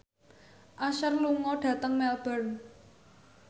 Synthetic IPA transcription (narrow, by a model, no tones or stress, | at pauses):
ʔaʃərluŋɔɖ̥ä̤t̪əŋmɛlb̥ərn